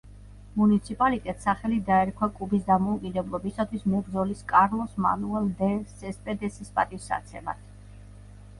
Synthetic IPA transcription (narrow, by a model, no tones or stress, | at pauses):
munit̪sʰipʼalit̪ʼɛt̪saχɛlid̪aɛɾkʰwakʼubisd̪amɔukʼid̪ɛblˠɔbisat̪ʰwismɛbɾd̪zɔliskʼaɾlˠɔsma̰nuɛld̪ɛsɛspʼɛd̪ɛsispʼa̰t̪ʼisa̰t̪sʰɛ̰ma̰t̪ʰ